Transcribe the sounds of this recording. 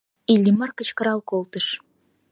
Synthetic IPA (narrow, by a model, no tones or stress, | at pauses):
ilʲːimɑrkə̆t͡ɕkə̆ɾɑlkolt̪əʃ